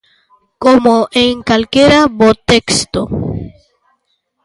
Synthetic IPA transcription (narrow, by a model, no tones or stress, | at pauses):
komoʔeŋkalkjeɾabot̪ekst̪o